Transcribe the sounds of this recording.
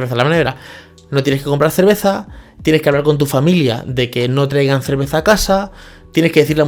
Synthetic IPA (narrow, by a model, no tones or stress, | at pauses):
ɾβeθalamaneβɾa | no̞t̪jeneske̞ko̞mpɾaɾθe̞ɾβe̞θat̪jeneskeaβlaɾko̞nt̪̬ufamilja̰ðe̞ke̞no̞t̪ɾajɣan̟θe̞ɾβe̞θaːkasa | t̪jeneskee̞θiɾla